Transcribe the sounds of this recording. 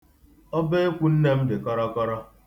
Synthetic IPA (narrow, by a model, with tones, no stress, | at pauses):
ɔ˦be˦e˦kʷu˦n̩˦ne˦m̩˦dɪ˨kɔ˦ɾɔ˦kɔ˦ɾɔ˦